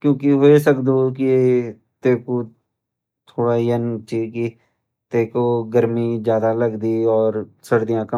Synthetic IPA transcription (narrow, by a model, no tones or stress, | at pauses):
kjõːkiɦoes̬əkd̪oki | t̪eːko | t̪ʰoːɽaijɛnt͡ʃiki | t̪eːkoɡəɾmid͡ʒjaːd̪aləɡd̪iɔːɾsəɽd̪ijãkə